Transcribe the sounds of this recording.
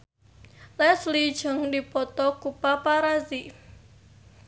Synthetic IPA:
lɛslid̥ʒ̥ə̤ŋdipɔt̪ɔkupapaɾazi

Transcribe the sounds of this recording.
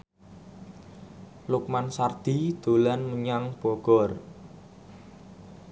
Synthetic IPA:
luk̚mansard̪̥i̤d̪̥o̤lanməɲaŋb̥ɔ̤ɡ̥ɔr

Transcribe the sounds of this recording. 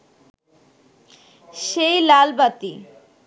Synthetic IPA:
ʃejlalbat̪i

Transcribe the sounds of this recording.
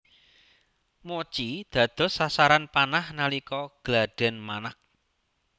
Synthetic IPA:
mot͡ʃid̪̥ä̤d̪̥ɔ̤sasaɾanpanahnalikɔɡ̥laɖ̥ɛ̤nmanak̚

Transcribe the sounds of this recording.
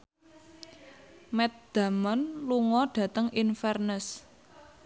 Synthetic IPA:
mɛt̪̚d̪̥a̤mɔnluŋɔɖ̥ä̤t̪əŋinfɛrnəs

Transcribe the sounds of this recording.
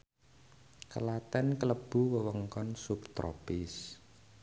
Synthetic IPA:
kəlat̪ɛnkələb̥ṳwəwəŋkɔnsupt̪ɾo̰pɪs

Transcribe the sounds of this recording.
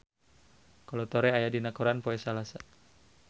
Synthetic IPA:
kɔlɔt̪ɔɾɛajadinakuɾanpoɛsalasa

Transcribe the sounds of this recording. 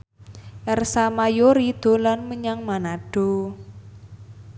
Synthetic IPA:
ʔɛrsamajoɾid̪̥o̤lanməɲaŋmanaɖ̥o̤

